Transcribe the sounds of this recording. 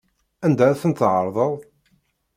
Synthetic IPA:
ænd̪æɾæθənt̪ːʕəɾˤðˤəðˤ

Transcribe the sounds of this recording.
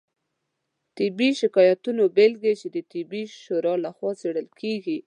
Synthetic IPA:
t̪ɪbiʃɪkɑjat̪unobelɡet͡ʃed̪ət̪ɪbiʃoɾɑlaxwɑt͡seɽəlkʰeɡi

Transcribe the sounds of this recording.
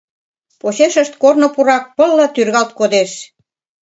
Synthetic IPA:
poɕeʃə̆ʃt̪̚kornŏpuɾɑk̚pɤ̆lːɤ̆t̪yrɣɑlt̪̚kod̪eʃ

